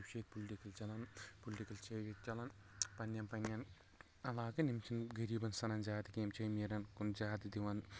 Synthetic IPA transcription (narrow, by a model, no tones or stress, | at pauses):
pʃeːt̪̚polʲʈikːɐlt͡ʃɐlɐnpolʲʈikɐlt͡ʃɐjʋiɐlɐn | pɐnjɐnpɐnjɐn | ɐlaːɡɐnimt͡ʃʰinɡɐɾiːbɐnsɐnɐnd͡ʒaːt̪ikemt͡ʃɐjmiɾɐnkund͡ʒaːd̪id̪iʋɐn